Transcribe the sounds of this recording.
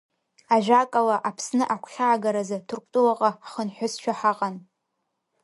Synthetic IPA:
aʒʷᶣakʼalaʔapʰsnɨʔakʷʰχʲaːɡaɾazatʰʊrkʷʼtʼuwaqʼaχənħʷʊsʃʰᶣaħaqʼan

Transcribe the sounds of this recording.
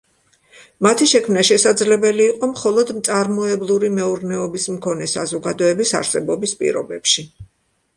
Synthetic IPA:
mat̪ʰiʃɛkʰmnaʃɛsad̪zlɛbɛliːqʼɔmχɔlˠɔd̪mt̪sʼaɾmɔɛblˠuɾimɛuɾnɛɔbismkʰɔnɛsa̰zɔɡad̪ɔɛbisa̰ɾsɛbɔbispʼḭɾɔ̰bɛpʃi

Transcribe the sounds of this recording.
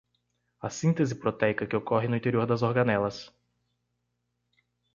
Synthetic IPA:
ɐsĩnt̪ezɪpɾot̪ɛjkɐkɪokɔɦɪnʊĩt̪eɾioɾd̪ɐzoɾɡɐnɛlɐs

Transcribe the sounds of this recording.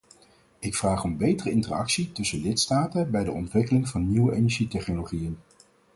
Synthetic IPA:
ɪkfraːχɔmbejtərəɪntərɑ̰ksitɵsəlɪtstaːtəbɛjdəɔ̰ntʋɪkəlɪŋvɑnːiwəʔejnɛɹʒitɛχnoloχijən

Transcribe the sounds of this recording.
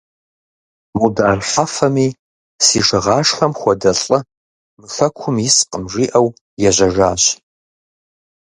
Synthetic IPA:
mudaːrħafɐmiː | siːʂɨʁɑːʂxɐmχʷɔdɐɬʼɨ | mɨfɐkʷʰʊmjɪsqʼəmʐiːʔɐw | jɛʑʷɐʒaːɕ

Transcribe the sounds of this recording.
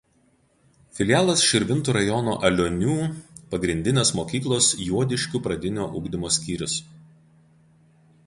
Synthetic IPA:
fʲɪlʲjæːlˠɐsʃʲɪɾʲʋʲɪnt̪uːɾɐjɔno̰ːʔɐlʲonʲuːpɐɡɾʲɪnʲd̪ʲɪnʲeːsmoːkʲiːklˠoːsjuɔd̪ʲɪʃʲkʲʊpɾɐd̪ʲɪnʲoːʔʊɡd̪ʲɪmoːsʲkʲiːɾʲʊs

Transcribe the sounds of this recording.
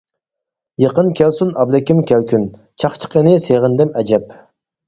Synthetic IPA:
jəqənkʲʰɛlsunɑblɛkʲimkʲɛlkʲʰyn | t͡ʃʰɑχt͡ʃʰə̥qʰənɪseʁənd̪ɛmɛd͡ʒɛp

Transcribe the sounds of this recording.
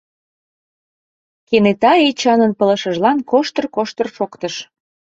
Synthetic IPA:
kenet̪ɑet͡ɕɑnənpə̆ləʃə̆ʒlɑnkoʃt̪ərkoʃt̪ərʃokt̪əʃ

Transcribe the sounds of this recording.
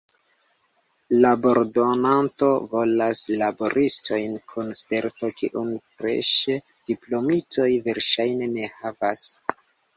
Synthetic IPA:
labo̞ɾdo̞nanto̞vo̞laslabo̞ɾisto̞jnkʰunspe̞ɾto̞kiʔunfɾḛʃed̥iplo̞mito̞jve̞ɾʃajne̞ne̞havas

